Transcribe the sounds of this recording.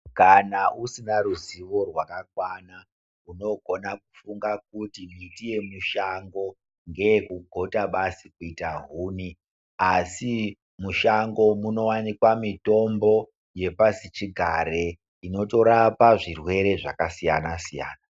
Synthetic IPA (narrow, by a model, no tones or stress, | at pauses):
kanaʔusinaɾuziʋo̞rwakakwana | uno̞ɡʱo̞nakufuŋɡak̚utimitije̞muʃaŋɡo̞ | ŋɡe̞jekuɡʱo̞taɓasikuitaɦuːni | asi | muʃaŋɡo̞muno̞wanikwamito̞mbo̞ | je̞pasit͡ʃiɡʱaɾe | ino̞to̞ɾapaʐirwe̞ɾe̞ʐa̰kasija̰nasija̰ːna